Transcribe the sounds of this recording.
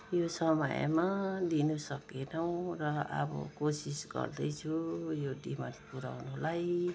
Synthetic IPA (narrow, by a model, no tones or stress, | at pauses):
josʌmʌ̰j̰mad̪inusʌkenʌw̃rʌʌ̰bʌ̰kosisɡʌ̰rd̪ʌjt͡sʰujoɖimanpuɾa̰wnulaj